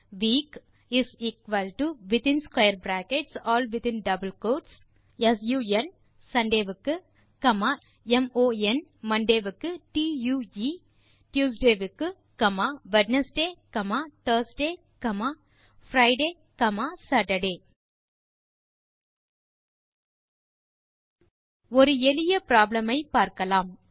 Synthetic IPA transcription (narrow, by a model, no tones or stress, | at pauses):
ʋiːk | iziːkʋɐlʈuʋɪt̪ĩnskwajəɾbɾæːkeʈsɔːlʋɪt̪ĩnɖɐbəlkoːʈs | ɐsjuːen | sɐ̃ɳɖeːʋɨkːɨ | kɐma | emoːenmɐ̃ɳɖeːʋɨkːɨʈiːjuːi | ʈjuːsɖeːʋɨkːɨ | kɐmaːʋɐʈnɐsɖeːkɐmaːt̪ɐːɾsɖeː | kɐmaː | fɾɐɪɖeː | kɐmaːsɐɾʈɐɖeː | ɔɾɯɛlɪjɐpɾaːblɐmɐɪpaːɾkɐlaːm